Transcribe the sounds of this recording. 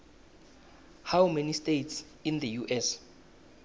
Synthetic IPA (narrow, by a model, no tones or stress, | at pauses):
hawmenistejts | ind̪əjuʔɛs